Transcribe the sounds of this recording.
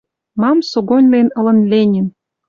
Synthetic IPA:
mɑmsoɡonʲlenɤ̆lɤ̆nlʲenʲĭn

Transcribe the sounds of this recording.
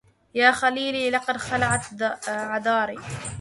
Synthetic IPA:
jaːxaliːliːlɑqɑd̪xalaʕat̪ʕad̪ˤɑːɾiː

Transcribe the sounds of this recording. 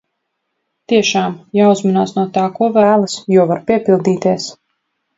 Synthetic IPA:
t̪iɛʃaːmjaːuzmanaːsnuɔt̪aːkuɔvæːlˠasjuɔvaɾpiɛpilˠd̪iːt̪iɛs

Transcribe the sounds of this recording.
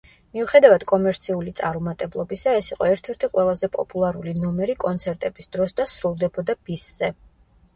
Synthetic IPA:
miuχɛd̪avad̪̥kʼɔmɛɾt̪sʰiulit̪sʼaɾumat̪ʼɛblˠɔbisaɛsiqʼɔɛɾt̪ʰɛɾt̪ʰiqʼwɛlˠazɛpʼɔ̰pʼulˠaɾulinɔmɛɾikʼɔnt̪sʰɛɾt̪ʼɛbisd̪̥ɾɔsd̪asɾulˠd̪ɛbɔd̪ab̥isz̥ɛ

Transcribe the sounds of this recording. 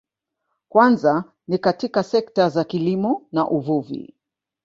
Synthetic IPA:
kwanza | nikatikasɛktazakilimɔnaʔuvuvḭ

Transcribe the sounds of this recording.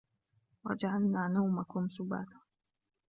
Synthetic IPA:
wa̰d͡ʒaʕalnaːnawmakʊmsʊba̰ːt̪ḁ

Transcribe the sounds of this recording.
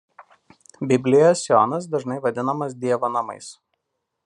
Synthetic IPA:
bʲɪbʲlʲɪjoːsʲjoːnɐs̬d̪ɐʒnɐɪʋɐd̪ʲɪnɐmɐs̬d̪ʲiɛʋoːnɐmɐ̰ɪs

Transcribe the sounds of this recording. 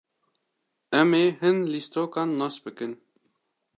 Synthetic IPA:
ɛmeːɦɨnlist̪oːkɑːnːɑːsbɨkɨn

